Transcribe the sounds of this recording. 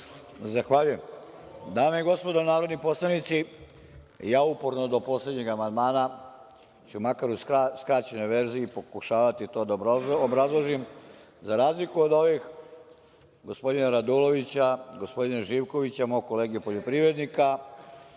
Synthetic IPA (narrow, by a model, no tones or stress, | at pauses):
zaxʋaʎuje̞m | d̪aːmeiɡo̞spo̞d̪onaːɾo̞d̪nipo̞slˠanit̪si | jaːupo̞ɾnod̪o̞po̞sle̞d̪ɲeɡamand̪maːna | t͡ɕumakaɾusskɾaːt͡ɕeno̞jʋe̞ɾziiːpo̞kuʃaːʋat̪it̪o̞ːd̪aobɾazlˠoʒim | zaɾaːzlikuo̞d̪o̞ʋix | ɡo̞spo̞d̪inaɾad̪ulo̞ʋit͡ɕaɡo̞spo̞d̪inaʒiːʋko̞ʋit͡ɕamojko̞leːɡiupoʎo̞pɾiʋɾe̞d̪nika